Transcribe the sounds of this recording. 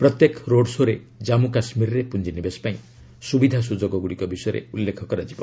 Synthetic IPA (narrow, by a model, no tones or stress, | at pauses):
pɾɔt̪jekɾoɖsoɾe | d͡ʒamukasmiɾɾepund͡ʒinibespaĩ | subid̪ʱas̬ud͡ʒɔɡɔɡuɽikɔbisɔjɔɾḛulːekʰɔkɔɾad͡ʒibɔ̰